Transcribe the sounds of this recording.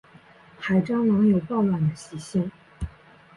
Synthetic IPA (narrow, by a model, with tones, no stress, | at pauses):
xa˨˩ɪʈ͡ʂɑ˥ŋwɑ˧˥ŋjo˨˩ʊpɑ˥˩ʊlwa˨˩nd̪ə˦ɕi˧˥ɕi˥ŋ